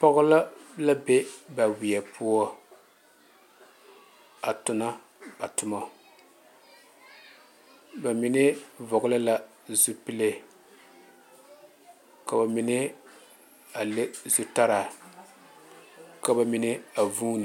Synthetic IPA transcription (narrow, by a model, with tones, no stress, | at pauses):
pɔ˦ɣʊ˦la˦la˦be˦ba˨wi˨ɛ˨pu˦ɔ˦ | a˨tʊ˨na˦ | b̥a˨tʊ˦ma˨ | ba˨mɪ˨nɪ˦vʊ˨ɡʊ˦la˦la˦ | zu˦pi˦le˦ | ka˨ba˨mi˦nɪ˦ | a˨le˦zu˦ta˦ɾa˨ | ka˨ba˨mɪ˦nɪ˦a˨vuː˦nɪ˨